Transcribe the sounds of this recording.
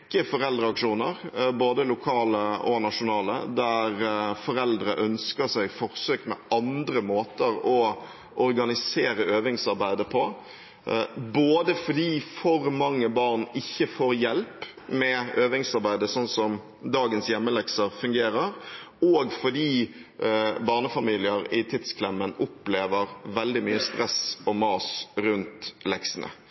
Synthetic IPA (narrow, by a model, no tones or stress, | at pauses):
kːəfɔɾɛld̪ɾəɑkʂuːnəɾboːd̪əlʊkʰɑːləɔ̰nɑʂʊnɑːlə̰d̪æɾfɔɾɛld̪ɾəʔœnskəsæɪfɔɾsøːkmɛʔɑnd̪ɾəmoːt̪əɾɔ | ʔɔɾɡɑnɪseːɾəøːʋɪŋsɑɾbæɪd̪əpʰɔ | boːd̪əfɔd̪iːfɔɾmɑŋːəbɑʁnɪçːəfoːɾjɛlp | mɛøːʋɪŋsɑɾbæɪd̪əsɔnsɔm | d̪ɑːɡənsjɛmːəlɛksəɾfʉŋɡeːɾəɾ | ɔɡfɔd̪iː | bɑːʁnəfɑmiːlɪəɾɪt̪ʰɪd̪skʰlɛmːənʊpleːʋəɾʋɛld̪ɪmyːəst̪ɾɛsɔmɑːsɾʉnt̪lɛksənʔə̰